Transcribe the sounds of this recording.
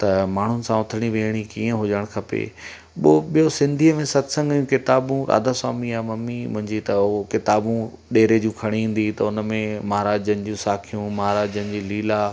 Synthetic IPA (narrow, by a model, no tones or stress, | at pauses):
t̪ɐmaːɳ̤ʊnɪ̆sãʊt̪ʰəɽ̃iʋeːɽ̃ikiːə̃ɦʊd͡ʑəɽ̃kʰɐpḛː | ɓɪoɓijosɪ̃nd̪ʱiːəmẽsɐd̪sə̃ŋɡũkɪt̪aːbũɾa̰ːd̪aswa̰ːmiaːmɐmːimʊ̰̃ɦɪ̃ɲd͡ʑit̪ɐokɪt̪aːbũ | ɗeːɾed͡ʑũːkʰɐɽ̃iɦĩːn̆d̪it̪ɐʊn̆mẽmɐɦaɾaːd͡ʑənɪ̆d͡ʑũːsaːkʰijũmɐɦaɾaːd͡ʑənɪ̆d͡ʑiːliːlaː